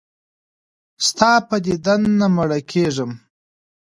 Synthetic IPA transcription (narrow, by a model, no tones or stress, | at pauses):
st̪ɑːpəd̪ed̪anːamaɽakʰeʐəm